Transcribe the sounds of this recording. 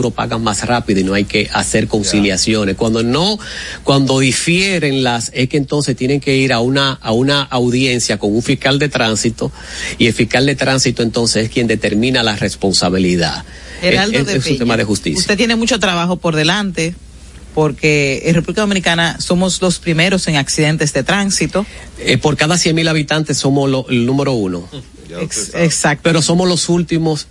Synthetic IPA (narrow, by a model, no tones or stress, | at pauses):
uɾopa̰ɣamasrapiðoino̞ajke̞ʔase̞ɾko̞nsiljasjo̞neskwand̪ono̞kwand̪o̞ðifjeɾe̞ŋlase̞skent̪o̞nse̞st̪je̞ne̞ŋke̞iɾaunaːunaʔawðje̞nsjako̞ŋuɱfishkald̪e̞t̪ɾansit̪o̞ | ie̞lfihkald̪e̞t̪ɾansit̪oe̞nt̪o̞nse̞seskje̞nd̪e̞t̪e̞ɾmĩnalare̞spo̞nsaβ̞iliða̰ð | eealeesuemaðexust̪ḭsusjt̪et̪jenemut͡ʃo̞t̪ɾaβaxo̞po̞ɾðelant̪e̞ | po̞ɾke̞erepuβlikaðo̞minikanaso̞mo̞slo̞spɾime̞ɾo̞se̞ŋaksiðe̞nt̪e̞zðe̞t̪ɾansit̪o̞ | epo̞ɾkaðasje̞ŋmilaβit̪ant̪e̞sːo̞moloelnũme̞ɾo̞uno̞ | ksak̪̚peɾoso̞moslo̞sult̪imo̞s